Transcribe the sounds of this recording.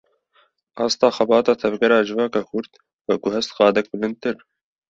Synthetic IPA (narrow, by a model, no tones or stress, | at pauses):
ʔɑːst̪ɑːxɛbɑːt̪ɑːt̪ʰɛvɡɛɾɑːd͡ʒɨvɑːkɑːkʰʊɾd̪ | wɛɡʊhɛst̪qɑːd̪ɛk̚bɨlɨnd̪̚t̪ɨɾ